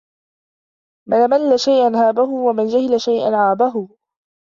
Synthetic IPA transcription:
manamalːaʃajʔanɦaːbaɦʊwamand͡ʒahɪlaʃajʔa̰nʕaːbaɦʊ

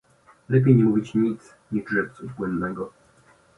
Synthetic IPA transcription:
lɛpʲejɲɛmuvʲit͡ɕɲit̪s | ɲidʐɛp̚t̪suvbwɛnd̪nɛɡɔ

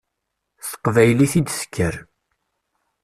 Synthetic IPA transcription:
θə̥qvæjliθid̪sə̥kːəɾ

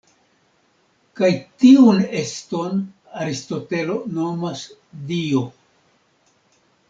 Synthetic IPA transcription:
kajtiune̞sto̞n | aɾisto̞te̞lo̞no̞masdio

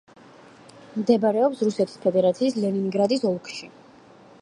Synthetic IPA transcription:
md̪ɛbaɾɛɔpsɾusɛt̪ʰi̥spʰɛd̪ɛɾat̪sʰiːslɛninɡɾad̪isɔlˠkʰʃi

